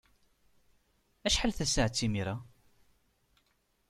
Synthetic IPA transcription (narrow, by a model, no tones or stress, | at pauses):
æʃħalθæsaʕt͡sːimiɾa